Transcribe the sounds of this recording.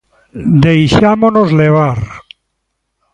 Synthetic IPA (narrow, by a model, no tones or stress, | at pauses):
d̪ejʃamonozleβ̞aɾ